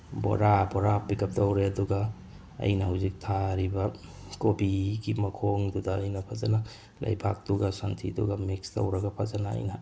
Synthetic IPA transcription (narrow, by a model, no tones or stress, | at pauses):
bo̰ɾabɔɾabikʰɐp̚tɐwɾeɐduɡɐ | ɐ̰jnɐhawzik̚tʰaɾibɐ | kobiɡimɐkʰoŋdudɐːjnɐpʰazanɐ | lɐ̰jbʱa̰k̚duɡɐsantʰidṵɡɐmikstɐ̰wɾɐɡɐpʰazana̰ːjnɐ